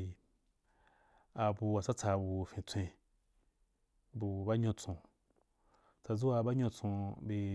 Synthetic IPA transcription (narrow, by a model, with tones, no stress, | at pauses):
a˧bu˧wa˨t͡sa˦t͡sa˧bu˨fĩ˧t͡sʷẽ˧ | bu˧˨ba˦ɲõ˧t͡sõ˧ | t͡sa˧d͡zu˦wa˧˨ba˦ɲõ˧t͡sõ˧be˧